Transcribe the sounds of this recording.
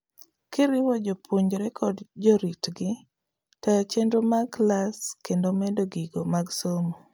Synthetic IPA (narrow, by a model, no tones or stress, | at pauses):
kɪɾɪwɔd͡ʒopʰoɲd͡ʒɾɛkʰɔdd͡ʒoɾitɡɪ | tajt͡ʃendomaɡlaskendomɛdoɡiɡomaɡsomo